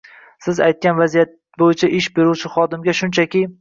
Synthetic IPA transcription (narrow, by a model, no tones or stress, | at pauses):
sɪzajt̪̚kʲanvazijat̪̚ | bojɪt͡ʃʰaʔɪʃbe̞ɾuwt͡ʃʰɪχɒd̪ɪmɡʲaʃʊnt͡ʃʰakʲɪ